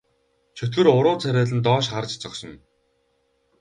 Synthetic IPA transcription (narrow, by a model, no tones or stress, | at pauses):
t͡ɕʰɵt̪ɡɘ̆rʊɾʊːt͡sʰæɾʲæːɮɘ̆nt̪ɔːʃχart͡ɕt͡sɔksɞ̆n